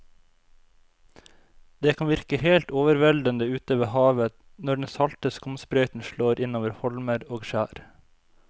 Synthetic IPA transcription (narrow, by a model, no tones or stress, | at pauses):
d̪̥eːkʰɑnʋɪɾkəheːlt̪oːʋəɾʋɛld̪ənd̪əʉːt̪əʋeːhɑːʋə | nɔɖɛnsɑlt̪əskʊmspɾœʏt̪n̩ʃloːɾʔɪnoːʋəɾhɔlməɾoːɡʃæːɾ